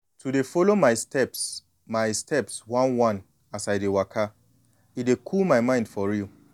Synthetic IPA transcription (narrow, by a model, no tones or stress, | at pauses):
tʰudefolomaɪstʰɛps | maɪstʰɛpswãnwãn | asajdewakʰa | idekʰulmaɪmãɪ̃nd̥fɔɹiu